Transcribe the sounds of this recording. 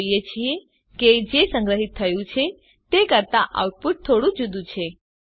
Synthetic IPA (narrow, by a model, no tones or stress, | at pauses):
jet͡ʃʰie | ked͡ʒesə̃ŋɡɾəɦit̪ʰːəjũt͡ʃʰe | t̪ekəɾt̪aʔa̰wʈ̚puʈ̚t̪ʰːoɽũd͡ʒud̪ũt͡ʃʰe